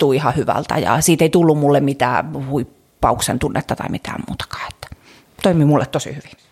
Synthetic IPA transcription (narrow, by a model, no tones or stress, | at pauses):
t̪uːihɑhyʋæ̰lt̪æ̰jɑ̰siːt̪eit̪ulːummulːemmit̪æ̰ːhuipː | ɑuksḛnt̪unːet̪ːɑt̪ɑ̰imit̪ʰæ̰ːmmṵːt̪ɑ̥kɑ̥ːe̥t̪ːæ̥ | t̪oimimulːḛt̪t̪osḭhyʋi